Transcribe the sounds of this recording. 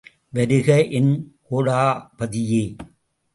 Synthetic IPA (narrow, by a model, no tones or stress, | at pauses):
ʋɐɾɯɣɐʔɪnkoːɽaːpɐðɪjeː